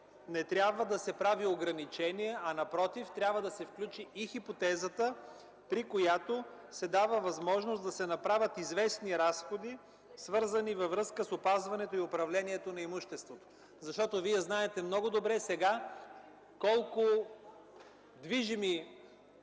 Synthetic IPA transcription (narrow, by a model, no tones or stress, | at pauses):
nɛt̪ɾʲjabvəd̪ɐsɛpɾavioɡɾɐnit͡ʃɛniɛʔɐnɐpɾɔt̪ift̪ɾʲabvəd̪ɐsɛfklʲut͡ʃiːxipot̪ɛzət̪ə | pɾikojat̪osɛd̪avəvɐzmɔʒnosd̪ɐsɛnɐpɾavʲət̪izvɛsniɾasxod̪i | svɤɾzənivɐvɾɤskəsopazvɐnɛt̪oiʊpɾɐvlɛniɛt̪onɐimuʃt̪ɛst̪vot̪o̥ | zɐʃt̪ɔt̪oviɛznaɛt̪ɛmnɔɡʊd̪obɾɛsɛɡa | kɔlˠko | d̪viʒimi